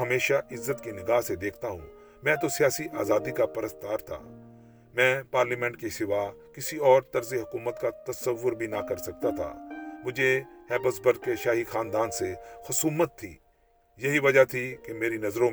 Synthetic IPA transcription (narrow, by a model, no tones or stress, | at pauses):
ɦɐmeːʃaʔɪzːət̪kinɪɡaːɦsed̪eːkʰt̪aɦṵ̃ | mɛ̃ːt̪osijaːsiʔaːzaːd̪ikapɐɾəst̪aːɾt̪ʰa̰ː | mɛ̃ːpaːɾlimɛ̃ːɳʈkisɪʋakɪsiɔːɾt̪ɐɾzeɦʊkuːmət̪kat̪ɐsəʋːʊɾbʱinakɐɾsɐk̚t̪at̪ʰa̰ːmʊd͡ʒʱeɛːbɐsbəɾd̪̚keʃaːɦixaːnd̪aːnsexʊsuːmət̪ʰːḭː | jɐɦiʋɐd͡ʒat̪ʰikemeːɾinɐzɾõ